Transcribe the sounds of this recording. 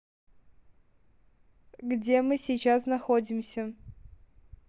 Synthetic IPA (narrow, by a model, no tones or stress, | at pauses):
ɡdʲemɨsʲɪjt͡ɕasnɐxodʲɪmsʲə